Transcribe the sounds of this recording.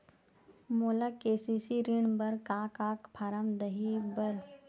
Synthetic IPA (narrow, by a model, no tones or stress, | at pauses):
moːlakeːsisiɾɪɳ̃bɐɾkaːkaːkpʰaːɾəmd̪ɐɦibəɾ